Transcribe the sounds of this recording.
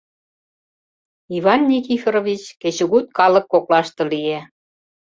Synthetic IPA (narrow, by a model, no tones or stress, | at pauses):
ivɑnːʲik̬ifeɾovʲit͡ɕket͡ɕŭɣut̪̚kɑlə̆kːoklɑʃt̪ɤ̆lije